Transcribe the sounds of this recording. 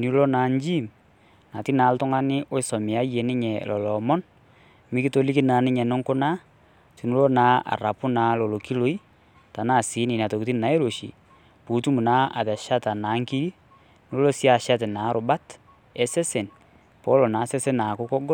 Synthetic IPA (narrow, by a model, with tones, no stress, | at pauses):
ni˦lo˦na˨ɲd͡ʒi˦˨m | na˨ti˦na˨˦ltʊ˦ŋa˦nɪ˦ʔo˦ɪ˦sɔ˨mɪ˨a˦je˨nɪ˦ɲɛ˨lɔ˨lɔ˨mɔ˦n | mɪ˦ki˦to˦li˦ki˦na˨nɪ˦ɲɛ˨nɔ˦ŋkʊ˦na˦ | ti˨nu˦lo˦naː˦a̰˨ra˨pʊ˦naː˨˦lɔ˨lo˨ki˦lo˦i˦ | ta˨naː˦˨si˨˦ni˨na˨to˨kti˦na˨˦e˦ɾo˨ʃḭ˨ | pu˨˦tu˦mu˨na˦a̰˨ðɛ˨ʃa˦ta˨naː˨˦ŋki˦ɾi˦ | n˦lo˦sja˨ʃa˦tɛ˨naː˨˦ɾʊ˨ba˦t | ɛ˨se˦se˨n | po˦lɔ˨naː˨˦se˦se˦na˨kʊ˦kɔ˦ɡɔ˦